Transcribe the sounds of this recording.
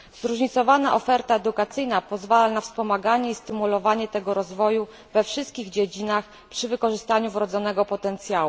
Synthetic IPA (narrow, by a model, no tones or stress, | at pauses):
zɾuʐɲit̪sɔvanaʔɔfɛɾt̪aɛd̪ukat̪sɘjnapɔzvalanafspɔmaɡaɲɛist̪ɘmulɔvaɲɛt̪ɛɡɔɾɔzvɔju | vɛfʂɘst̪̚kʲiɣd͡ʑed͡ʑinax | pʂɘvɘkɔʐɘst̪aɲuvɾɔd̪zɔnɛɡɔpɔt̪ɛnt̪sʲjawu